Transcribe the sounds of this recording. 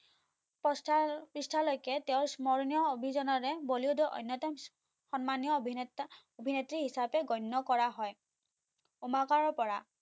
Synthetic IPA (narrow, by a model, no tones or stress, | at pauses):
pɔsapɹistʰalojkɛtɛʊ̃ɹsmɔɹnijɔobʱizɔnɔɹɛboliodɔʔɔ̰jnːɔtɔm | xɔnmanjɔbʱi | obʱinetɹiɦisapɛɡɔnːɔkɔɹaɦɔj | umakaɹɔpɔɹa